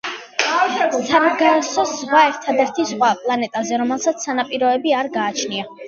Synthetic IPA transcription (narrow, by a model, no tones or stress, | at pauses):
sʰaɾɡasɔsʁwaɛɾt̪ʰad̪ɛɾt̪ʰizʁwapʼlˠanɛt̪ʼazɛɾɔmɛlˠsat̪sʰsːanapʼiɾɔɛbiaɾɡaːt͡ʃʰnia